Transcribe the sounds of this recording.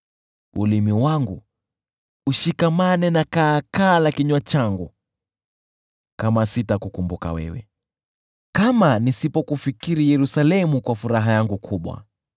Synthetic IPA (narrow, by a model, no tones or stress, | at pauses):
ṵlimiwaŋɡu | uʃikamanɛnakaːkaːlakiɲwat͡ʃaŋɡu | kamasitakukumbuka̰wɛ̰wɛ̰ | kamanisipɔkufikiɾijɛɾusalɛmukwafuɾaɦajaŋɡukʰuɓwa̰